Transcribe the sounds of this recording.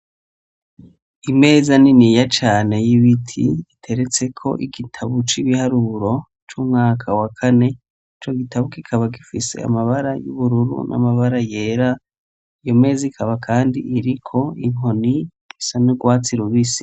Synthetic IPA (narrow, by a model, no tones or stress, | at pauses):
ime̞ːzaninijat͡ʃaːne̞jiβitʰḭitʰe̞ɾet͡se̞kʰo̞̰ʔiɡitʰaβut͡ʃiβihaɾuɾo̞ | t͡ʃuːmŋaːkʰawakʰane̞ | it͡ʃo̞ɡitʰaβukikʰaβaɡifise̞̰a̰maβaɾajṵβuɾuɾṵnʔa̰maβaɾaje̞ːɾa | ijo̞me̞ːzikʰaβakʰaːndiʔiɾikʰo̞iŋ̥o̞ni | isanuɡwaːt͡siɾuβisi̥